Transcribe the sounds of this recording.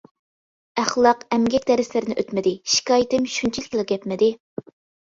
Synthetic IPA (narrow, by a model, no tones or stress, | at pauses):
æχlˠɑqɛmɡʲɛkʲd̪ɛɾɪslɪɾɪnɪʔøt̪mɪd̪ɪʃi̥kʰɑːjit̪ɪmʃunt͡ʃʰilɪkʲlˠɨq̚ɡʲɛpmɪd̪ɪ